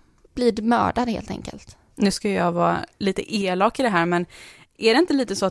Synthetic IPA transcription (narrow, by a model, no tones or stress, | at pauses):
b̥liːd̪mœ̰ːɖad̪hḛːlt̪ʰɛ̰ŋkə̰lt̪ | nʉ̟ːskajəjɑːɡvɑ̰ːliːt̪ə̰ʔeːlɑːkɪd̪ɛɦæːɾmɛn | ʔæɖɛɪnt̪əliːt̪əsɔat